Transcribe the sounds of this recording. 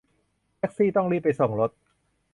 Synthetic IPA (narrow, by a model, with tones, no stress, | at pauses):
ʔɛ˦˥k̚siː˥˩t̪ɔ˥˩ŋɾiː˥˩p̚pːa˧jso˨˩ŋɾo˦˥t̪̚